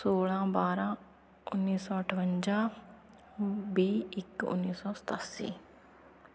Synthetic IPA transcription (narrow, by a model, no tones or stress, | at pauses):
soːlãːbaːɾãː | ʊnːiːsɔːʈʰəʋəɲd͡ʒaː | biːɪkʊ̰nːiːsɔːsə̥t̪aːsḭː